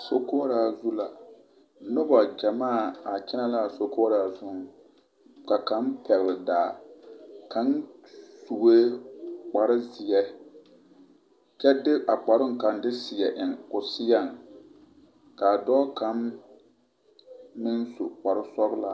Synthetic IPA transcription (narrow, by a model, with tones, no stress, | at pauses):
so˦koː˦ɾaː˨zu˦la˨ | nʊ˦ba˨d͡ʒa˨maː˦˨a˨t͡ʃɛ˦na˦la˦a˨so˦koː˦ɾaː˨zʊ˦ŋ˨ | ka˨ka˦n˦pɛ˨lldaː˨ | ka˦nsu˨ɡe˦k͡pa˨ɾɪ˦zɪ˨jɛ˦ | t͡ʃɛ˦dɪ˦ʔa˨k͡pa˨ɾʊ˦ŋka˨n˦dɪ˦sɪ˨jɛ˨ʔɪ˨ŋkʊ˨sɪ˦ja˦˨ŋ | ka˨dɔː˦ka˨˦n | mɪ˦nsʊ˨k͡pa˨ɾɪ˦sɔ˦bla̰˨